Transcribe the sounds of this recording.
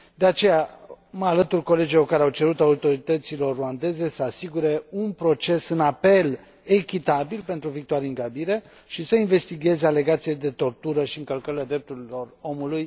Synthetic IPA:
d̪e̞at͡ʃe̞ja | məalət̪urko̞le̞d͡ʒilorkaɾeawt͡ʃe̞ɾut̪aut̪o̞ɾit̪ət̪silo̞rːuand̪e̞ze̞səasiɡuɾe̞unpɾo̞t͡ʃe̞sɨnape̞l | ekʲit̪abilpe̞nt̪ɾuvik̚t̪oaɾiɨŋɡabiɾe̞ | ʃisəinve̞st̪iɡe̞zeale̞ɡat̪sijed̪e̞t̪o̞rt̪uɾəʃiɨŋkəlkəɾilad̪ɾe̞p̚t̪uɾilo̞ro̞muluj

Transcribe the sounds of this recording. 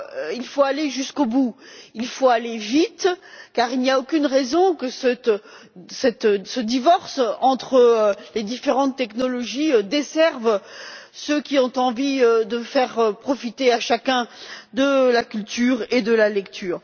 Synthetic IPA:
ilfoaleʒyskobuilfoalevit̪kaʁilniaokʲynʁɛzɔ̃kəsət̪ | sɛt̪səd̪ivɔʁsɑ̃t̪χəled̪ifeʁɑ̃t̪ːɛknɔlɔʒiød̪esɛʁv | søkʲiɔ̃t̪ɑ̃viød̪əfɛʁpχɔfit̪eaʃakʲɛ̃d̪əlakʲylt̪yːʁed̪əlalɛkt̪ʰyːʁ

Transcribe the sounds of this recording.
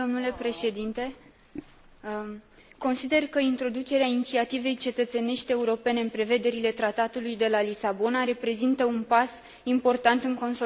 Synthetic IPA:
omnule̞pɾe̞ʃe̞d̪int̪e̞ | ko̞nsid̪e̞rkəint̪ɾo̞d̪ut͡ʃe̞ɾeainit̪siat̪ive̞jt͡ʃe̞t̪ət̪se̞ne̞ʃt̪ʲe̞uɾo̞pe̞ne̞ɨnpɾe̞ve̞d̪e̞ɾile̞t̪ɾat̪at̪ulujd̪e̞lalisabo̞naɾe̞pɾe̞zint̪əunpas | impo̞rt̪ant̪ɨŋko̞ns

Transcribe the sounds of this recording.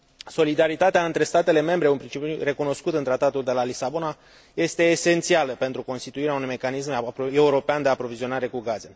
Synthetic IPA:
so̞lid̪aɾit̪at̪eaɨnt̪ɾe̞st̪at̪e̞le̞me̞mbɾe̞unpɾint͡ʃipʲure̞kuno̞skut̪ɨnt̪ɾat̪at̪uld̪e̞lalisabo̞na | je̞st̪e̞ːse̞nt̪sialəpe̞nt̪ɾuko̞nst̪it̪uiɾeaunujme̞kanisme̞uɾo̞peand̪eapɾo̞vizio̞naɾe̞kuɡaze̞

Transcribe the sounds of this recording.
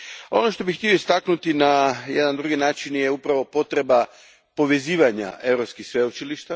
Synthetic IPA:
o̞̰no̞ʃt̪o̞bixt̪io̞ist̪aknut̪inajed̪and̪ɾuɡinaːt͡ʃinjeupɾaʋo̞po̞t̪ɾe̞ba | po̞ʋe̞ziːʋaɲa̰e̞vɾopskixsʋeut͡ʃiliʃt̪a

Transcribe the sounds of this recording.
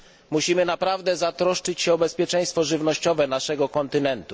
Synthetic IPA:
muɕimɘnapɾavd̪ɛzat̪ɾɔʂt͡ʂɘt͡ɕɕɛɔbɛspʲjɛt͡ʂɛj̃st̪fɔʐɘvnɔɕt͡ɕɔvɛnaʂɛɡɔkɔnt̪ɘnɛnt̪u̥

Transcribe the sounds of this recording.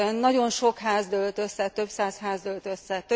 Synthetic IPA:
nɒɟo̞nʃo̞khaːzd̪ølt̪ø̞sːɛt̪ø̞psaːshaːzd̪ølt̪øsːɛt̪ø

